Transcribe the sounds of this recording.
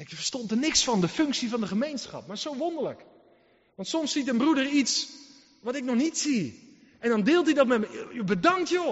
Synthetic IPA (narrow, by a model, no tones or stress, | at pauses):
ɛkjəfərstɔntənɪksfɔndəføŋksifɔndəχəmejnsxɑ̰pmarsowʋondərlək | ʋɑntsɔmsːitənbrudərits | ʋɔtɪk̚nɔxnitsi | ɛndɔndɪːlˠtidɔtmɛmjəbədaŋktjo